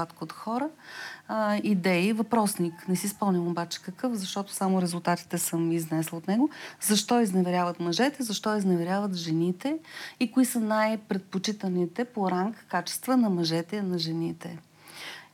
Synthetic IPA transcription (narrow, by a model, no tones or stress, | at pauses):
at̪koot̪xɔɾə | id̪ɛivɐpɾɔsniknɛsispɔmnʲimobat͡ʃɛ̥kəkɤfzɐʃt̪ɔt̪ʊ̥samʊɾɛzulˠt̪at̪i̥t̪ɛsɤmiznɛslˠot̪nɛɡozɐʃt̪ɔiznɛvɛɾʲavət̪mɐʒɛt̪ɛzɐʃt̪ɔiznɛvɛɾʲjavət̪ʒɛnit̪ɛikoisənajpɾɛt̪̚pot͡ʃit̪ənit̪ɛpoɾamkkat͡ʃɛ̥st̪vənɐmɐʒɛt̪ɛinɐʒɛnit̪ɛ̰